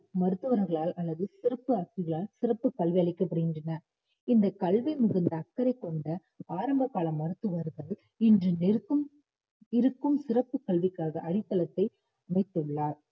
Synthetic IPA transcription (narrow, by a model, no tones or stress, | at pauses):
mɐɾɯt̪ːɯʋɐɾɣɐɭaːlʔɐlːɐðɯsɪrɐpːɯɐkʋɪɣɐɭaːlsɪrɐpːɯkɐɭʋiɐɭɪkːɐpːɐɽɐɣɪndrɐnɐ | ɪnd̪ɐkɐɭʋɐmʊɣɪnd̪ɐːkːɐɾɐɪkːɔɳɖɐ | aːɾɐmbɐkːaːlɐmːɐɾɯt̪ːɯʋɐɾɣɐɭ | ɪndrɯnɪɾɯɯm | ɪɾɯkːɯmsɪrɐpːɯkɐɭʋɪkːaːɣɐʔɐɽɪt̪ːɐlɐt̪ːɐɪ | ɐmɐɪt̪ːɯɭːaːɾ